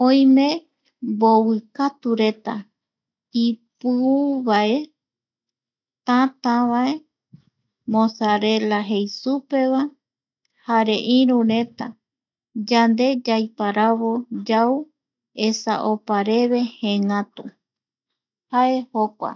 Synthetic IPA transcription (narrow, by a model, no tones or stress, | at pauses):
õj̃mẽ̞ | mbowɨkat̪uɾe̞t̪a | ipɨuβae̞ | t̪ãt̪ãβae̞ | mõsaɾe̞laɦejsupe̞βa | haɾe̞ʔĩɾũɾe̞t̪a | d͡ʒand̪e̞d͡ʒajpaɾaβo̞d͡ʒaw | esa̰ʔopaɾe̞βe̞hẽŋãt̪u | hae̞hokʷa̰